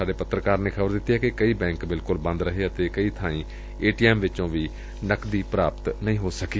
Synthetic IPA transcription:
aːɖeːpət̪ɾəkaːɾneːkʰəbəɾd̪ɪt̪ːiːɦɛːkɪkəiːbɛ̃ːŋkbɪlkʊlbə̃nd̪ɾəɦeːət̪eːkəiːt̪ʰãːĩː | eːʈiːɛːmʋɪt͡ʃõːʋiː | nəkd̪iːpɾaːpət̪nəĩːɦoːsəkiː

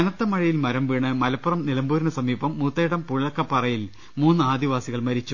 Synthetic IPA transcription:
ɐnɐt̪ːɐmɐɻijilmɐɾɐmʋiːɳːɨmɐlɐpːɐrɐmnilɐmbuːɾinɐsɐmiːbɐmːut̪ːeːɽɐmpuɻɭɐkːɐpːɐrɐjil | muːnːɨaːd̪iʋaːsiɣɐɭmɐɾit͡ɕːu

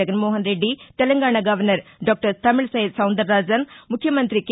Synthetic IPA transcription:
ɐɡɐnmoːɦɐnɾeɖːit̪elɐŋɡaːɳɐɡɐʋɐɾnɐɾɖoːk̚ʈɐɾt̪ɐmɪɭsɐjid̪sɐwnd̪ɐɾːaːd͡ʒɐnmukʰːjɐmɐnt̪ɾik

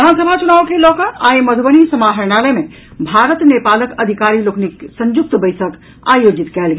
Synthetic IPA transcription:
ansəbʱat͡ʃunaːwkelɔːkəajməd̪ʱbənisəmaɦəɾnaləmẽ | bʱaɾət̪nepaːləkəd̪ʱikaɾilokniksə̃ɲd͡ʒuk̚t̪bəɪsək | a̰jod͡ʒit̪kɛːlɡe

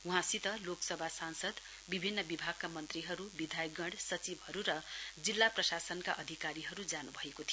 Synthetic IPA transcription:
uɦãsit̪ʌloksʌbʱasansʌd̪ | bibʱinːʌbibʱaɡ̚kamʌnt̪riɦʌɾubid̪ʱajɡʌɽsʌt͡sibɦʌɾuɾʌd͡zilːaprʌsasʌnkaʔʌd̪ʱikaɾiɦʌɾud͡zanubʱʌekot̪ʰi

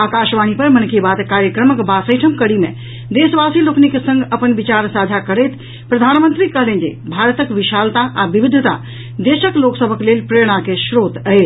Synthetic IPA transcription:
akaʃʋañipəɾmənkibat̪kaɾjəkɾəməkbasəjʈʰəmkəɽimḛ | d̪esʋasiloknikesə̃ŋɡʱəpənbit͡ʃaɾsad͡ʒʱakəɾɛjt̪ | pɾəd̪ʱanmənt̪ɾikəɦlend͡ʒḛbʱaɾət̪əkʋiʃalt̪aʔabibid̪ʱːət̪a̰ | d̪eʃəkloksəbʱəklelpɾeɽ̃akeʃɾot̪əjt͡ʃ

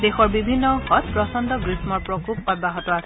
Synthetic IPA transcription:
d̪exɔɹbibʱinːɔhɔt̪̚pɹɔsɔnd̪ʱɔɡɹismɔɹpɹɔkup̚ɔt̚baɦɔtɔasʰɛ

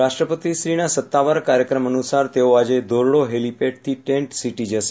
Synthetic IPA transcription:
ɾaʂʈɾəpət̪isɾinasət̪ːaʋaɾkaɾjəkɾəmənusaɾt̪eoad͡ʑed̪oɾɭoɦelipeʈ̚t̪ʰiʈeɳʈsiʈid͡ʒəʃe̥

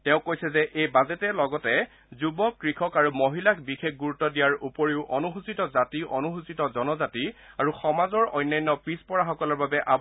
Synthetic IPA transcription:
tɛʊ̃kojsɛzɛʔejbazetɛlɔɡɔtɛ | zubɔkɹixʰɔkaɹumoɦilakbixekʰɡuɹutːɔdijaɹupoɹiʊʔɔnuɦusitɔzatiʔɔnuɦusitɔzɔnɔzati | aɹuxɔmazɔɹɔjnːajnːɔpɹispɔɹaxɔkɔlɔɹbabɛʔab

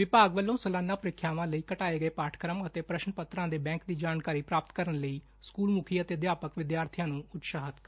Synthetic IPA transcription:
ʋɪpaːɡʋəlːõːsəlaːnːãːpəɾɪkʰːjaːʋãːləiːkəʈaːeːɡəeːpaːʈʰkɾəmət̪eːpɾəʃnəpət̪ɾãːd̪eːbɛ̃ːŋkd̪iːd͡ʒaːnkaːɾiːpɾaːpət̪kəɾənləiː | skuːlmukʰiːət̪eːd̪jaːpəkʋɪd̪jaːɾt̪ʰijãːnũːʊt̪ʃaːɦət̪

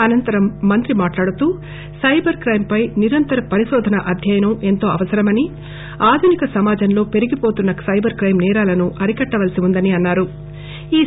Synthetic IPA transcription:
ɐnɐnt̪ɐɾɐmːɐnt̪ɾimaːʈlaːɽut̪uː | sɐjbɐɾkɾɐjmpɐjniɾɐnt̪ɐɾɐpɐɾiʃɔːd̪ʱɐnɐʔɐd̪ʱjɐjɐnɐme̞nt̪o̞ːɐ̰ʋɐsɐɾɐmɐni | aːd̪ʱunikɐsɐmaːd͡ʒɐnlo̞ːpe̞ɾiɡipo̞ːt̪unːɐsɐjbɐɾkɾɐjmnɛːɾaːlɐnuʔɐɾikɐʈːɐʋɐlɐsiund̪ɐniɐnːaːɾu | iː

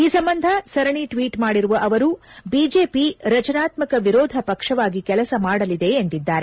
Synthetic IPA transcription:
iːsɐmbɐnd̪ʱɐsɐɾɐɳiʈʋiːʈmaːɽiɾuʋɐʔɐʋɐɾubiːd͡ʒe̞ːpiɾɐt͡ʃɐnaːt̪mɐkɐʋiɾɔːd̪ʱɐpɐkʂɐʋaːɡikɛlɐsɐmaːɽɐlid̪e̞ːnt̪id̪ːaːɾe

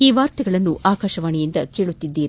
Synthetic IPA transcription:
iːʋaːɾt̪ɐɡɐɭɐnːuʔaːkaːʃɐʋaːɳijind̪ɐkeːɭut̪ːid̪ːiːɾi

